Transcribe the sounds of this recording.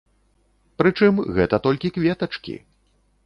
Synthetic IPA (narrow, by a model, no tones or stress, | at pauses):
pɾɨt͡ʂɨmɣɛt̪ɐt̪ɔlʲkʲikvʲɛt̪ɐt͡ʂkʲḭ